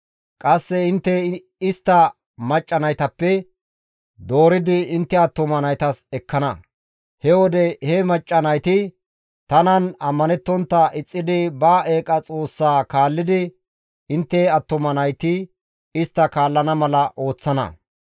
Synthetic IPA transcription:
kʼɐsːɛɪnt̪ːɛ | ɪst̪ːɐ | mɐt͡ʃʼːɐnɐjt̪ɐpːɛ | d̪o̞ːɾɪd̪ɪɪnt̪ːɛɐt̪ːʊmɐnɐjt̪ɐsɛkːɐnɐ | hɛwɔd̪ɛhɛmɐt͡ʃʼːɐnɐjt̪ɪ | t̪ɐnɐnɐmːɐnɛt̪ːɔnt̪ːɐʔɪt͡sʼːɪd̪ɪbɐːʔeːkʼɐt͡sʼo̞ːsːaːkaːlːɪd̪ɪ | ɪnt̪ːɛɐt̪ːʊmɐnɐjt̪ɪ | ɪst̪ːɐkaːlːɐnɐmɐlɐʔo̞ːt͡sːɐnɐ̰

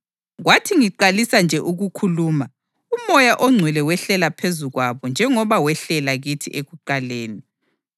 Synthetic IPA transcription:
ɣwatʰiŋiǃalisand͡ʒʱɛʔuɣukʰuluːma | umɔjaʔɔŋ͡ǀʱwɛlɛwɛɬɛlapʰezuɣwaβɔnd͡ʒʱɛŋɔβawɛɬɛlaɣitʰiʔeɣuǃaleːni

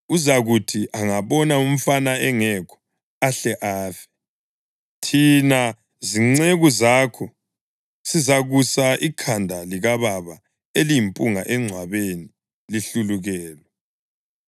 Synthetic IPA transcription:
uzaɣutʰiʔaŋaβɔnaum̩fanaɛŋɛkʰɔ̥ | aɬɛʔaːfɛ̥ | tʰina | ziŋ͡ǀeɣuzaːkʰɔ | sizaɣusaʔikʰandʱaliɣaβaβa | elimpʼuŋaʔɛŋ͡ǀʱwaβeni | liɬuluɣɛːlɛ

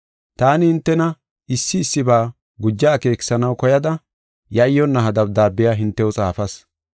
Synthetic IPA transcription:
t̪aːnɪhɪnt̪ːɛnɐ | ɪsːɪːsːɪbaː | ɡʊd͡ʒːaːke̞ːkɪ̥sɐnɐwkɔjɐd̪ɐ | jɐɪjːɔnːɐɦɐd̪ɐp̚d̪aːbːɪjaːɦɪnt̪ːɛwɔt͡sʼaːfɐs

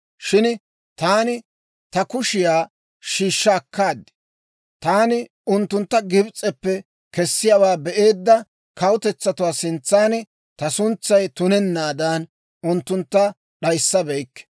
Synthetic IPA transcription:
ʃɪn | t̪aːnɪ | t̪ɐkʊʃɪjaː | ʃiːʃːɐːkːaːd̪ːɪ̥ | t̪aːnɪ | ʊnt̪ːʊnt̪ːɐɡɪbt͡sʼɛpːɛ | kɛsːɪjawaːbɛʔe̞ːd̪ːɐ | kɐwʊt̪ɛt͡sːɐt̪ʊwaːsɪnt͡sːaːnɪ | t̪ɐsʊnt͡sːɐjt̪ʊnɛnːaːd̪ɐn | ʊnt̪ːʊnt̪ːɐ | ɗɐjsːɐbɛjkːɛ̥

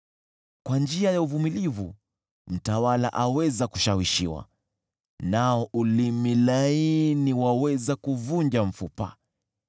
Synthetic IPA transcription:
kwand͡ʒiajauvumilivu | m̩tawala̰ʔawɛzaku̥ʃawiʃiwa̰ | naɔʔulimilainiwawɛzakuvund͡ʒam̩fupa̰

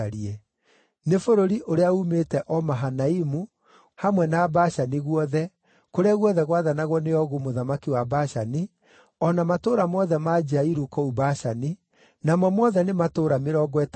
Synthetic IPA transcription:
aɾiɛ | nefoɾoɾiʔoɾeaumetɛʔɔmaɦanaimu | hamwɛnabaʃaniɣwɔðɛ | koɾeaɣwɔðɛɣwaðanaɣwɔneɔɣumoðamakiwabaʃani | ɔnamatoːɾamwɔðɛmad͡ʒaiɾukɔubaʃani | namɔmwɔðɛnematoːɾameɾɔːɡwɛt

